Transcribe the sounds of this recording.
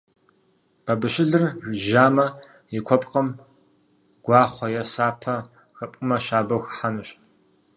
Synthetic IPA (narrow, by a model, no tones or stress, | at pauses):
b̥ɐbɨʃɪɮɨrʒaːmɐ | jikʷʰɔpʼqɐm | ɡ̥ʷɑːχʷɔjɛsaːpʰɐ | xɐpʷʼʊmɐʃaːbɐwxħanɨɕ